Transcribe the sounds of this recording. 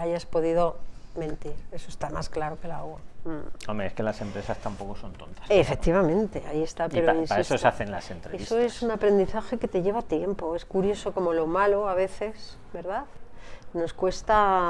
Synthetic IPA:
aʝaspo̞ðiðo̞mẽ̞nt̪iɾe̞soest̪ama̰sklaɾo̞ke̞laɣaomeeskelase̞mpɾe̞sast̪ampo̞ko̞sont̪ont̪ḁsefe̞k̚t̪iβamẽ̞nt̪e̞aiest̪apeɾoinsesosaθenlasent̪ɾeeissoesunapɾe̞nd̪iθaxe̞ke̞t̪e̞ʝe̞β̞at̪je̞mpo̞e̞skuɾjo̞so̞ko̞mo̞lo̞malo̞aβe̞θe̞s | be̞ɾðaðno̞skwe̞st̪a

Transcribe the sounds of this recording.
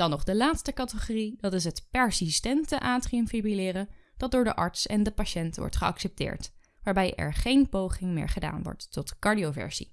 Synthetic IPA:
d̥ɑnːɔχdəlaːtstəkɑtəχoridɑtɪs̬ɦətpɛɹsistɛntəʔaːtriəmfibrilɪːrə | d̥ɑt̚dʊːɹdə̰ʔɑ̰ɹtsɛ̰ndəpaʃɛntʋɔ̰ɹtχəɑ̰ksɛp̚tɪ̰ːɹt | ʋaːɹbɛjʔɛ̰ɹχejnpowχɪŋmɪ̰ːɹχəda̰ːnʋɔ̰ɹtːɔtkɑɹdiovɛ̰ɹz̥ḭ

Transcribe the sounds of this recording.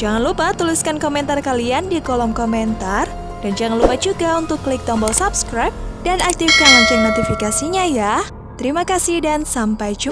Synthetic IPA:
d͡ʒaŋanlupat̪uliskankomɛnt̪arkaliandikɔlɔmkomɛnt̪ar | d̥and͡ʒaŋanlupad͡ʒuɡaunt̪ʊkːlɪk̚t̪ɔmbɔlsapskɾajp̚danak̚t̪ifkaŋaɲt͡ʃɪnnot̪ifikasiɲaja | t̪əɾimakasɪhdansampajd͡ʒu

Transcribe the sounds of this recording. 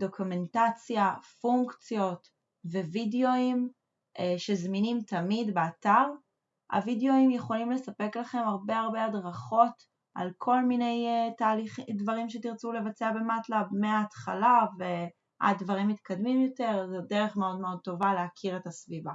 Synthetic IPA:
do̞kume̞ntat͡sjafuŋkt͡sjo̞t | ve̞videoim | ʃe̞zminimtʰamidbeataʁ | a̰videoimjeχo̞limle̞sape̞klaχe̞maʁbe̞aʁbe̞adʁaχo̞t | ʔa̰lkʰo̞lmine̞jtaːliχdvaʁimʃetiʁt͡sule̞vat͡seabe̞matlabmeaːtχalave | ʔa̰d̚dvaʁimːit̪kadmimjo̞te̞ʁzedeʁeχmeo̞dmeo̞d̚t̪o̞valeakʰiʁe̞tasviva

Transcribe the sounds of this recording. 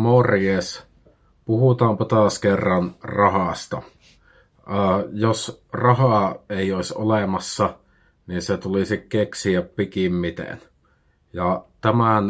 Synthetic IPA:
morjeːs | puhut̪ɑːmpɑt̪ɑskerːɑnrɑhɑst̪ɑ | ɑːjosrɑhɑˑeˑijoˑesʲo̰lemɑsːɑ | ninset̪ulisikkeksiæppikimmit̪ḛn | jɑt̪æmæn

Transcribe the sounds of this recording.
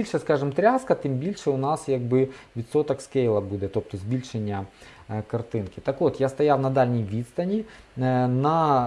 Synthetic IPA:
ilʲʃɛskɑʐɨmt̪ɾʲaskɐt̪ɪmbʲilʲʃɛʊnɑsjɐɡ̚bɪʋʲit̪sot̪ɐkskejlˠɐbud̪ɛt̪op̚t̪ɔzbʲilʲʃenʲːɐ | kɐrt̪ɪnkɪ̥t̪ɐkʋɔt̪jast̪ɐjawnɐd̪ɑlʲnʲijʋʲit̪st̪ɐnʲi | nɐ

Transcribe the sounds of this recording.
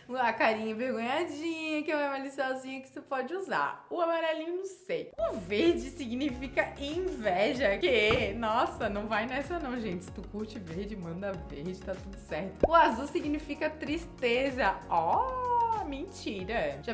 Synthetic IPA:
ɐkaɾĩɲɐ̃vehɡõɲad͡ʒĩɲɐkɪẽɛmalisiɔzĩɲɐkɪ̥sepɔd͡ʒɪuza̰ɾʊamaɾɛlĩɲʊnɐ̃w̃sejʊveɾd͡ʒɪsiɡnifikɐẽj̃vɛʒɐkenɔsɐnɐ̃w̃vajnɛsɐnɐ̃w̃ʒẽnt͡ʃɪsɪ̥t̪ukuɾt͡ʃɪveɾd͡ʒɪmɐ̃nd̪ɐveɾd͡ʒɪt̪at̪ud̪ʊsɛɾt̪ʊʊazuwsiɡnifikɐt̪ɾist̪ezɐɔ | mẽt͡ʃiɾɐʒa

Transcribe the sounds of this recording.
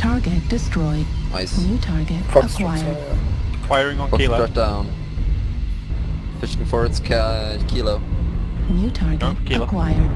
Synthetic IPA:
tʰɑɹɡɨt̚d̥ɪstɹ̥ɔɪdna̰ɪsnjʉtʰɑɹɡɨtʰəkʰwwaɪə˞kʰw̥aɪəɹɪ̃ŋə̃nɔɹɛk̚d̥ãʊ̃n | fɪʃɪ̃ŋfɔɹɨtskʰkʰiloʊnjʉtʰɑɹɡətəkʰw̥aɪə˞

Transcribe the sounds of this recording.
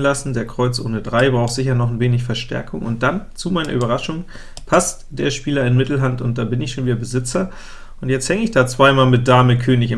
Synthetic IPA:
nlasn̩deːɐkʁ̥ɔʏt͡sʔo̰ːnədʁaɪbʁaʊxtz̥ɪç̬ɐnɔχnveːnɪç̬fɛɐʃtɛ̰ɐkʰʊŋʊ̰nt̚d̥ant͡sumaɪnɐ̰ʔyːbɐʁ̞aʃʊŋ | pʰast | d̥eːɐʃpiːlɐɪnmɪtl̩ɦantʊnt̚d̥aːbɪnɪçʃoːnviːdɐbəzɪt͡sɐ | ʔʊntjɛt͡sthɛŋəɪçd̥aːt͡sv̥aɪmaːlmɪt̚d̥aːməkʰøːnɪçɪ

